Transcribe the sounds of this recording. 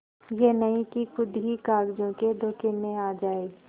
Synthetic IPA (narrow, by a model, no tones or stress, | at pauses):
jenɐĩkikʊd̪ʱikaːɡd͡ʒõked̪ʱoːkemẽaːd͡ʒaːeː